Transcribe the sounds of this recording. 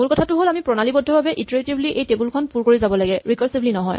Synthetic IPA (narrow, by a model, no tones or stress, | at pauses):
mulkɔtʰatʊɦolamipɹɔnalibɔdʱːɔbabɛʔitɹetibliʔejtebulkʰɔnpuɹkoɹizabɔlaɡɛɹikɔɹsiblinɔɦɔ̰j